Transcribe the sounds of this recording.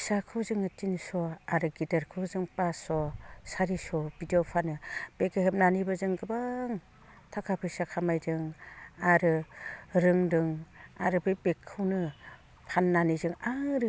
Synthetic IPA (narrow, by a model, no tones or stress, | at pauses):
sakʰɯwzɯŋɯtinsɔaɾɯɡidaɾkʰɯwzɯŋpasɔsaɾisɔb̥idiopʰanɯb̥ekeɦep̚nanibɯzɯŋɡɯbaŋ | tʰakʰapʰɯsakʰamajzɯŋaɾɯɾɯŋdɯŋa̰ɾɯbɯbekʰːɯwnɯ | pʰanːanizɯŋaŋɾɯ